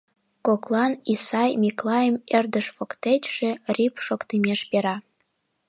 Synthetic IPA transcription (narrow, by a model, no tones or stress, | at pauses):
koklˠɑnisɑjmʲiklˠɑjəmerd̪əʃfokt̪etʲʃĕrʲipʃokt̪imʲeʃpeɾɑ